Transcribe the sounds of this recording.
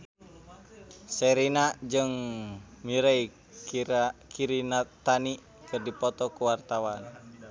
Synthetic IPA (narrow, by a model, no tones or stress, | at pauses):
seɾinaʔd͡ʒɨŋ | miɾɛi | kʰiɾinat̪ani | kɨrdipɔt̪ɔkuwart̪awan